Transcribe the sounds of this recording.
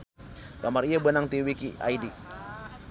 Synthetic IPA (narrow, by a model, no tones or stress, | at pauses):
kamariabənaŋt̪iwikiʔa̰idi